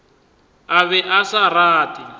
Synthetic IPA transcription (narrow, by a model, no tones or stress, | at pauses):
aβɛʔasaraːtʼi